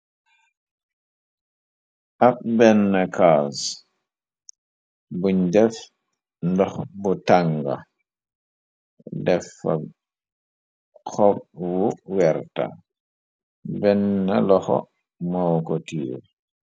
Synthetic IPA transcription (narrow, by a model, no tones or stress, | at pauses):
ʔap̚bɛnːakas | buɲdɛf | ndɔxbutaŋɡa̰ | dɛfa̰ | xɔp̚wuwɛɾta̰ | bɛnːalɔxɔ̰ | mawkɔtiː